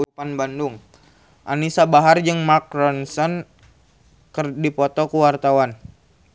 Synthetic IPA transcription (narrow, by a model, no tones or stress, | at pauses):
upanbanduŋ | ʔa̰nisabaɦard͡ʒɨŋmak̚ɾɔnsɔn | kərdipɔt̪ɔkuwart̪awan